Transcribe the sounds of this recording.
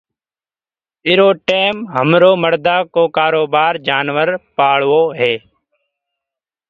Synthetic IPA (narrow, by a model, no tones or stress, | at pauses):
ɪɾoːʈeːmɦəmɾoːməɾd̪aːkoːkaːɾoːbaːɾd͡ʒaːnʋəɾpaːɭʋoːɦeː